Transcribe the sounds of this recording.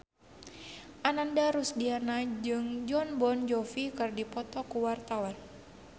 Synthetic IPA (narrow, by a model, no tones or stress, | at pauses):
ʔanandaɾusdianad͡ʒɨŋd͡ʒɔnbɔnd͡ʒɔfikɨrdipɔt̪ɔkuwart̪awan